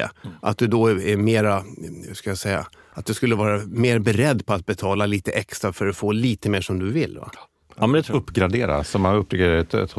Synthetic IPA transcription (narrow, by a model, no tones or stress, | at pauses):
ʔa̰t̪̚d̪ɵd̪ɔɛmeːɾahʉskajasɛjːa̰ | at̪̚d̪ɵskɵlːəvɑːɾameːɾbɛɾɛd̪ːpʰɔat̪̚bɛt̪ʰɑːlaliːt̪əʔɛkst̪ɾafœɾɔfoːliːt̪əmeːʂɔmd̪ɵvɪlːva̰ | ɵpːɡɾad̪eːɾa̰sɔmːanɵpːɾʏkːadɛt̪t̪